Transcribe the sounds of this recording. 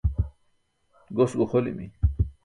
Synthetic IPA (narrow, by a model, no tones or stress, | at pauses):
ɡosɡuxolḭmḭ